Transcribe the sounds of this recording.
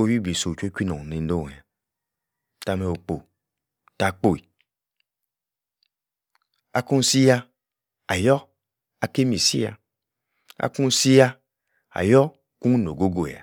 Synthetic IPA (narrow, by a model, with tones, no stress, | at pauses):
o˦˧˦wi˦bi˨so˨t͡ʃo˦kʷi˦nɔ˨ne˨n˦do˦˨a˨ | ta˨˧mɛ˧o˨k͡po˨ | ta˨˧k͡po˦˨i˨ | a˦ku˦n˦si˦ja˧ | a˨jɔ˦ | a˨ke˦mi˨sḭ˦a̰˧ | a̰˦ku˦n̩˦si˦ja˧ | a̰˨jɔ˦ | ku˦ŋ˦n˨o˨ɡo˦ɡo˨a̰˨